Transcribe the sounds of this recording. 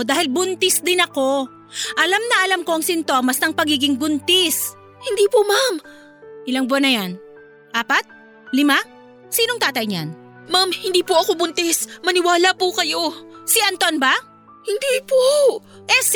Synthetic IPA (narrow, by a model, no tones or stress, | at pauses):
d̪aːhɪlbʊnt̪ɪsd̪ɪnɐko̞ | ʔɐlamnɐʔɐlamko̞ʔɐŋsɪnt̪o̞ːmɐsnɐŋpɐɡiːɡɪŋbʊnt̪ɪs | hɪnd̪iːpomam | ʔɪlaŋbonɐjan | ʔaːpɐt̪̚ | lɪma | siːno̞ŋt̪aːt̪ɐjɲa̰n | mamhɪnd̪iːpoʔɐkobʊnt̪ɛsmɐnɪwaːlapʊkɐjo̞sɪʔɐnt̪onba | hɪnd̪ipo | ʔɛs